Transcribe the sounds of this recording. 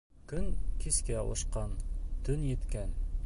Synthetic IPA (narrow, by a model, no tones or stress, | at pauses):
kɵŋkiskæŏ̰ʃqɑnt̪ʰɵnjɘ̆t̪kæn